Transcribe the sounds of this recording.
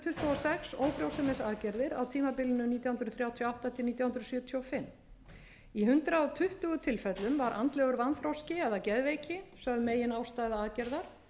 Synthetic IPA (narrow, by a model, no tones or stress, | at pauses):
t̪ʰʏht̪uɔsɛksoːwfɾjowsʏmɛsaːðcɛɾðɪɾa̰wt̪ʰiːmapɪlɪnʏniːt̪jahʏnɾʏθɾjaːwt̪ʰjawht̪at̪ʰɪlniːt̪jahʏnd̪ɾsjʏːt̪ʰjowfɪmː | iɦʏnt̪ɾawt̪ʰʏht̪ʏɣʏt̪ʰɪlfɛt̪lʏmvaɾʔa̰nt̪lɛɣʏɾvanfɾowscɪɛðacɛðveːjcɪsœðmeːjɪnaːwst̪aːjðaaːðcɛɾðaɾ̥